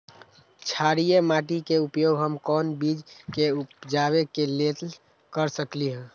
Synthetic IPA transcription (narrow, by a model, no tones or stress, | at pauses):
t͡ʃʰaɾijemaʈikeupjoːɡʱɦəmkɔːnbid͡ʒkeupd͡ʒaβekelet̪l | kəɾsəkliɦɛ̃